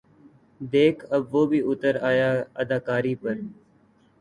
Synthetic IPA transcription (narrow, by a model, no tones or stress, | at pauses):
d̪eːkʰəbʋoːbʱiːʊt̪əɾaːjaːəd̪aːkaːɾiːpəɾ